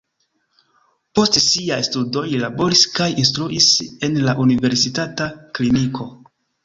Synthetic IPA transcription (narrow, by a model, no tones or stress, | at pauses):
po̞stsiajstudo̞lilabo̞ɾiskajinstɾuʔise̞nlaʔunive̞ɾsitataklinikʰo̞